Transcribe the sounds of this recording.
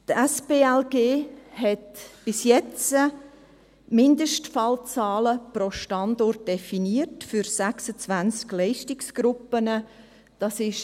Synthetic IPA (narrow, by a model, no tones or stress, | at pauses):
tɛsbeːɛlɡeːhɛtb̥ɪsjɛt͡sə | mɪndəʃtfɑlt͡sɑːləpɾoʃtɑndɔrt̚d̥ɛfiniətfyɾsæksət͡svænt͡sklɛɪʃtɪksɡ̥ɾʊpːənə | d̥ɑsɪʃ